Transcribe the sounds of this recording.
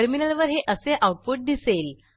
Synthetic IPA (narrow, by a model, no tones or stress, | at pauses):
əɾminəlʋəɾɦeʔəseʔawʈ̚poʈ̚d̪isel